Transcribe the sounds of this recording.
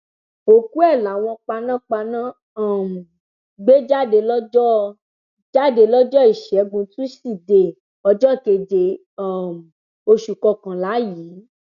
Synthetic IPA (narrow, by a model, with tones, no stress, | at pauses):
o˨ku˦ɛ˦˨la˨w̃ɔ̃˧k͡pa˧nã˦k͡pa˧nã˦˨ | m˨ | ɡ͡be˦d͡ʒa˦˨de˧lɔ˦d͡ʒɔ˦ | d͡ʒa˦de˧lɔ˦d͡ʒɔ˦i˦˨ʃɛ˨˦ɡũ˧tũ˦si˦˨de˨ | ɔ˧d͡ʒɔ˦˨ke˧d͡ʒe˨ | a˦˨m˨ | o˧ʃu˨kɔ˧kã˨la˨˦jiː˨˦